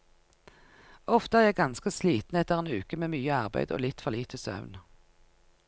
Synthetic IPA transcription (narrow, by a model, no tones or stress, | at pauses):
ɔft̪əæːʁjæɪɡɑnskəsliːt̪n̩ɛt̪əʁeːnʉːkəmeːmyːəɑʁbæ̰ɪd̪o̰ːlɪt̪fɔʁliːt̪ʰəsœ̰ʋn